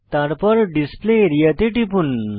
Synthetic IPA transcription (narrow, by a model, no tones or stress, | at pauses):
t̪aɾpɔɾɖispleɾijət̪eʈipun